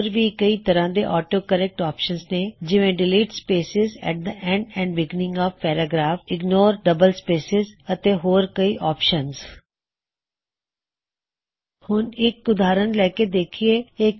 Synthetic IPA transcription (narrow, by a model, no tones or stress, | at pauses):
ɾʋiːkəiːt̪əɾãːd̪eːʔɔːʈoːkəɾɛk̚ʈɔːpʃənzneːd͡ʒɪʋẽːɖɪliːʈspeːsɪzɛ̰ːʈ̚d̪əʔɛ̃ɳɖɛ̃ːɳɖbɪɡnɪ̃ŋɡɔːʋpɛːɾaːɡɾaːfɪɡnoːɾɖəbəlspeːsɪzət̪eːɦoːɾkəiːʔɔːpʃənz | hʊnɪkʊd̪aːɾənlɛːked̪eːkʰieːe